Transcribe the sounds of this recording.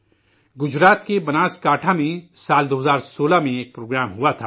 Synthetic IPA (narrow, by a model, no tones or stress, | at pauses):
ɡʊd͡ʒɾaːt̪kebɐnaːskaːʈʰamẽsaːld̪oːɦəzaːɾsoːlamẽeːk̚pɾoːɡɾaːmɦuat̪ʰaː